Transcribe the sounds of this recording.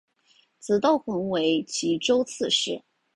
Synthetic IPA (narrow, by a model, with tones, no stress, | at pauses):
t͡sɹ̩˧˥t̪ɑ˥˩ʊxə˧˥nwe˧˥ɪt͡ɕʰi˧˥ʈ͡ʂo˥ʊt͡sʰɹ̩˥˧ʂɻ̩˥˩